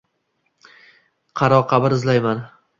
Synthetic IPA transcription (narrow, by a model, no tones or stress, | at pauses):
qʰɑɾɒqʰɑbɪɾɪzlajman